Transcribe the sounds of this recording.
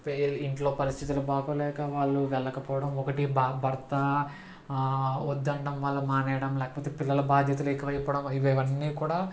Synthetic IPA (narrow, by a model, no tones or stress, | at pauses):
piɳʈlo̞ːpɐɾist̪ʰit̪̬ulɐbaːkolɛːkɐʋaːɭːuʋɛlːɐkɐpɔːʋɐɽɐmɔkɐʈibbʱɐɾt̪ɐ | od̪ːɐɳɖɐmʋɐlːɐmaːnɐjɐɽɐmlɛːkɐpoːt̪e̞ːpilːɐlɐbaːd̪ʱjɐt̪̬ɐluekiʋɐjɐpoːɽɐmiʋiʋɐnːiːkuːɽaː